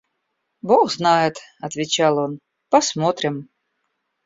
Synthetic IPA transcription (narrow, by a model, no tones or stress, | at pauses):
boɣznajɪt̪ɐt̪vʲɪt͡ɕalˠon | pɐsmot̪ɾʲɪm